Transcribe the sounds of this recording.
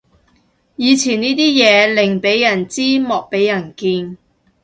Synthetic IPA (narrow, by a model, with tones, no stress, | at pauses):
jiː˨˧t͡sʰiː˨˩niː˥t̪iː˥jɛː˨˧lɪ˨˩ŋpe˨˥jːɐ˨˩nt͡siː˥mɔː˨k̚pe˨˥jːɐ˨˩nkiː˧n